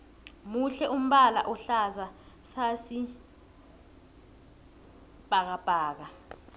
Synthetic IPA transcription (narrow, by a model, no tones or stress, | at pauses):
muɬɛʔum̩ɓala̰ʔɔɬaza | sasi | b̥ʱak̬ab̥ʱaːk̬a